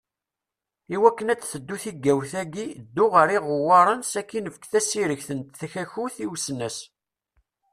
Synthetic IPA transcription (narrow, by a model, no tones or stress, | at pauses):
iwækːənæt͡sːθəd̪ːuθiɡːæwθæɡid̪ːʊʁəɾiʁʊwːɑɾˤənsækːinəfəkθæsiɾəçθənt̪θæçæçuθiwsnæs